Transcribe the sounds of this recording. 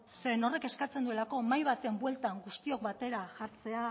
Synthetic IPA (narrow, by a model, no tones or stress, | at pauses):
seɾeno̞re̞ke̞skat͡send̪ue̞lako̞majβ̞at̪e̞mbwe̞lt̪aŋɡust̪io̞k̚bat̪e̞ɾaʝaɾt͡se̞a